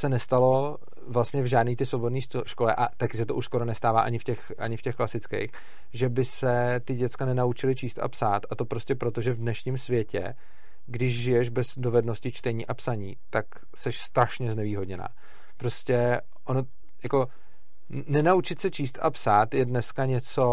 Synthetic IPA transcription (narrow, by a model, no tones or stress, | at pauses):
sɛnɛst̪alo̞ | vlast̪ɲɛvʒaːdniːt̪ɪslobodniː | ʃko̞lɛ̰ʔat̪akɪsɛt̪oʔuʃsko̞ɾo̞nɛst̪aːvaːʔaɲɪfcɛxʔa̰ɲɪfcɛxklasɪt͡skḛjx | ʒɛbɪsɛt̪ɪɟɛt̪t͡skanɛnaut͡ʃɪlɪt͡ʃiːst̪ʔa̰psaːt̪ʔat̪o̞pɾo̞scɛpɾo̞t̪o̞ʒɛvdnɛʃɲɪmsvjɛcɛ̰ | ɡdɪʒʒɪjɛʒbɛzdo̞vɛdno̞scɪt͡ʃt̪ɛɲiːʔapsaɲiːt̪ak | sɛʃst̪ɾaʃɲɛznɛviːɦo̞dɲɛna̰ː | pɾo̞scɛ | ʔono | jako̞ | nɛnaut͡ʃɪt̪sɛt͡ʃiːst̪ʔapsaːt̪jɛdnɛskaɲɛt͡so̞